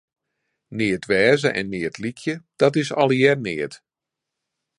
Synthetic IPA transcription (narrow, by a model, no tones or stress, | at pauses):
nɪːətʋɛːzəʔɛ̰nːɪːətʰlikʰjəd̥ɔtɪsɔ̰lˠjɛrnɪət